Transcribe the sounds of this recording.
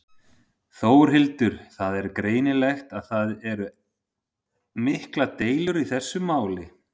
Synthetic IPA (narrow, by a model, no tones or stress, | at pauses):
θoːwɾ̥ɦɪlt̪ʏɾ̥θaðɛɾkɾeːjnɪlɛxt̪aðθaðɛɾʏ | mɪhklat̪eːjlʏɾiθɛsːʏmaːwlɪ